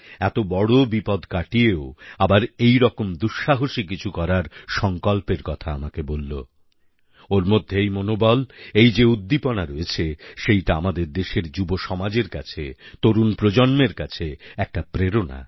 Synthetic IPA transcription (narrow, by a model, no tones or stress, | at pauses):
ɛt̪obɔɽobipɔd̪kaʈieoabaɾejɾɔkomd̪uʃːaɦoʃikit͡ɕʰukɔɾaɾʃɔŋkɔlpeɾkɔt̪ʰaamakebolːo̰ | oɾmod̪ʱːeejmonobɔlejd͡ʑeud̪ːiponaɾoet͡ɕʰeʃejʈaamad̪eɾd̪eʃeɾd͡ʑuboʃɔmad͡ʑeɾka̰t͡ɕʰḛt̪oɾunpɾod͡ʑonmeɾkat͡ɕʰeɛk̚ʈapɾeɾona̰